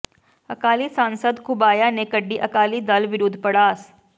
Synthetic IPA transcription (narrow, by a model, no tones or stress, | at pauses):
ɐkaːlisãːnsəd̪kʰʊbaːjanekəɖːiʔɐkaːlid̪ɐlʋɪɾʊd̪ʱpɐɽaːs